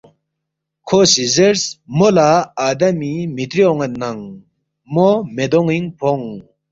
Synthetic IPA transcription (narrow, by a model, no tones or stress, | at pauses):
kʰosizeɾsmolaaːd̪amimit̪ɾioŋet̪naŋ | momed̪oŋiŋpʰoŋ